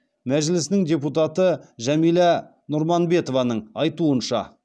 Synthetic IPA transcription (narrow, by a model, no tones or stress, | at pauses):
mæʒɪlɪsnɪŋd̪ʲe̞put̪ɑt̪əʒæmijlæ | nʊɾmɑnbe̞t̪o̞vɑnəɴɑjt̪uənʃɑ̰